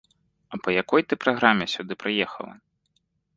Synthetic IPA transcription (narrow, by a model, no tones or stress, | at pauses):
ɐpɐjakɔjt̪ɨpɾaɣɾamʲɛsʲud̪ɨpɾɨjɛxɐ̰lˠɐ̰